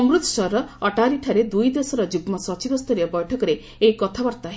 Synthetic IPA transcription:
ɔmɾut̪sɔɾɔɔʈaɾiʈʰaɾed̪ujd̪esɔɾɔd͡ʒuɡmɔsɔt͡ʃibɔst̪ɔɾjɔbɔjʈʰɔkɔɾe | eikɔt̪ʰabɔɾt̪aɦ

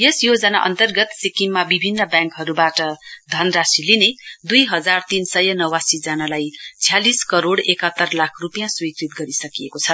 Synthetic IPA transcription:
jesjod͡zʌnaʔʌ̰nt̪ʌrɡʌt̪sikiŋmabibʱinːʌbjãŋkɦʌɾubaʈʌd̪ʱʌnrasilined̪ujɦʌd͡zart̪insʌjʌnʌwasid͡zʌnalajt͡sʰijaliskʌɾoɽekʌt̪ːʌrlakʰrupjãswikrit̪ɡʌɾisʌkijekot͡sʰʌ

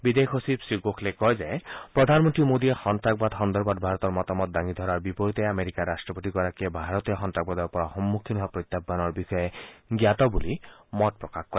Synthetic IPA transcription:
bid̪ekʰosibsiɡokʰlekɔɦed͡ʒaepɾɔd̪ʱanmɔnt̪ɾimod̪iexɔnt̪ɾaɡ̚bad̪ɦɔnd̪ɔɾbad̪̚bʱaɾɔt̪ɔɾmɔt̪ɔmɔt̪̚d̪aŋid̪ʱɔɾaɾbipɔɾit̪eameɾikaɾːasʈɾɔpot̪iɡɔɾakiebʱaɾɔt̪iɔxɔnt̪ɾaɡ̚bad̪ɔɾpɔɾaxɔmːukʰibʱapɾɔt̪ːabːanɔɾbixɔjeɡijat̪ɔbulimɔt̪̚pɾɔkakkɔɾe

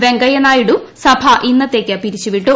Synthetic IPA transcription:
ʋe̞ŋɡɐjɐnaːjiɽusɐbʱɐʔinːɐt̪ːe̞ːkʲːɐpiɾit͡ɕːuʋiʈːu

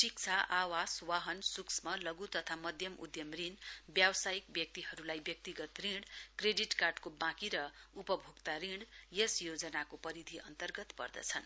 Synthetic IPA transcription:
ʈik̚t͡sʰaʔawaswaɦʌnsuksmʌlʌɡut̪ʌt̪ʰamʌd̪ʱjʌmʔṵd̪jʌmrinbjawsajikbjʌk̚t̪iɦʌɾulajbjʌk̚t̪iɡʌt̪riɽkreɖiʈkarɖkobãkiɾʌupʌbʱuɡt̪aɾiɽjesjod͡zʌnakopʌɾid̪ʱiʔʌ̰nt̪ʌrɡʌt̪pʌ̰rd̪ʌ̰t͡sʰʌn

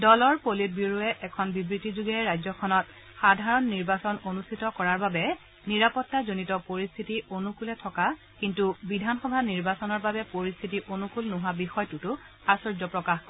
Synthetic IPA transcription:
dɔlɔɹpolit̚biɹuɛʔɛkʰɔnbibɹitizuɡɛɹajzɔkʰɔnɔt̚ | xadʱaɹɔnːiɹbasɔnonustʰitɔkɔɹaɹbabɛ | niɹapɔtːazonitɔpoɹist̪ʰitionukulɛtʰɔka | kintubidʱanxɔbʱaniɹbasɔnɔɹbabɛpoɹist̪ʰitiʔonukulnʊɦabixɔjɔtutʊ | asɔɹzɔpɹɔkaxkɔ

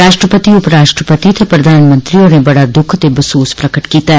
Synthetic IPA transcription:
ɾaːʃʈɾəpət̪iʊpɾaːʃʈɾəpət̪it̪ʰɐpɾɐd̪ʱaːnmə̃nt̪ɾionebɐɽad̪ʊkʰt̪ebəsoːspɾɐkəʈkiːt̪aɦɛ

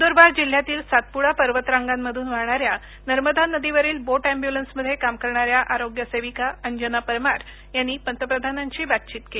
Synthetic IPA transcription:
d̪oɾbaɾd͡ʑil̤jat̪iːlsat̪̚puɽapəɾʋət̪ɾãŋɡamːəd̪ʱuːnʋaɾɳ̃aɾja | nəɾməd̪ʱanəd̪iʋəɾiːlboʈæ̃mbjulənsməd̪ʱːjekamkəɾɳaɾjaʔaɾoɡjəseʋikaəɲd͡ʑənapəɾmaɾ | janːiːpənt̪əpɾəd̪ʱanaɲt͡ɕiːbat̪̚t͡ɕiːt̪keli

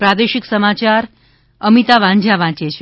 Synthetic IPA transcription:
pɾad̪eʃiksəmat͡ʃaɾ | əmit̪aʋãɲd͡ʒʱaʋãt͡ʃet͡ʃʰ

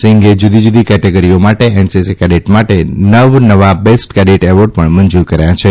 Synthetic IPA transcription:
sɪ̃ŋɡed͡ʒud̪ʱid͡ʒud̪ʱikɛʈeɡəɾiomaʈeɛnsesekɛɖeʈmaʈenəʋnəʋabesʈkɛɖiʈeʋoɖpəɳmənd͡ʒuɾkəɾajat͡ʃʰe

